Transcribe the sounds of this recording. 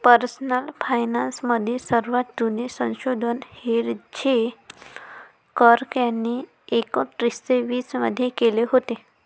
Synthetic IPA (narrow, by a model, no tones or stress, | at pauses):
pəɾsnəlfajnansməd̪ʱjesəɾʋat̪d̪unesə̃w̃ɕod̪ʱənheɾd͡ʑe | kəɾkjanːiː | ekɔʈɾiseʋiːsmə̰d̪ʱːjekeleɦot̪e